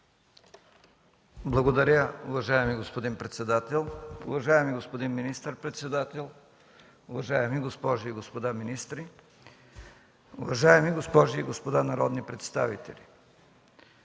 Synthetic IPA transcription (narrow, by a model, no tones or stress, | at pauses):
blˠɐɡod̪ɐɾʲəʊvɐʒaɛmiɡospod̪inpɾɛt̪sɛd̪at̪ɛlˠʊ̰vɐʒaɛmiɡospod̪inminist̪əɾpɾɛt̪sɛd̪at̪ɛlˠ | ʊvɐʒajɛmiɡospɔʒiːɡospod̪aminist̪ɾi | ʊvɐʒaɛmiɡospɔʒiːɡospod̪anɐɾɔd̪nipɾɛt̪st̪a̰vḭt̪ɛlʲi